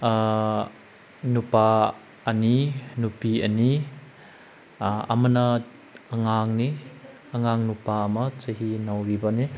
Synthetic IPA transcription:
nupa | ɐninupiɐni | ɐ̰mɐna | ɐŋaŋni | ɐŋaŋnupaɐmɐt͡ʃɐɦinawɾibani

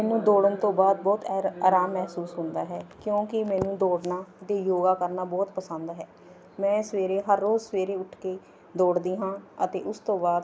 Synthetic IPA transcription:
mɛːnũːd̪oːɽənt̪õːbaːd̪̚bɔːt̪ːaːɾaːmːɛɦsuːsɦʊ̃nd̪aːɦɛːkjõːkɪmɛ̃ːnũːd̪oːɽnaːt̪eːjoːɡaːkəɾnaːbɔːt̪pəsənd̪ɦɛː | mɛ̃ːsəʋeːɾeːɦəɾːoːzsəʋeːɾeːʊʈʰkeː | d̪oːɽd̪iːɦãːət̪eːʔʊst̪õːbaːd̪

